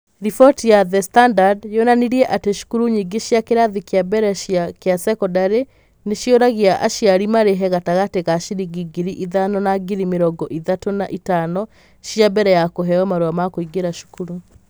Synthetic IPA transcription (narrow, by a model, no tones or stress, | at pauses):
ɾifɔtjaðɛstandadjonaniɾiɛʔateʃu̥kuɾuɲiɡeʃjakeɾaðikeabɛɾɛʃjakeasɛkɔdaɾe | neʃjoɾaɣiaʔa̰ʃiaɾimaɾeɦɛɣataɣateɣaʃiɾiɡiɡiɾiʔiðanɔnaɡiɾimeɾɔɡɔʔiðatonaʔitanɔ | ʃjabɛɾɛjakoɦɛɔmaɾoamakoiɡeɾaʃu̥kuɾu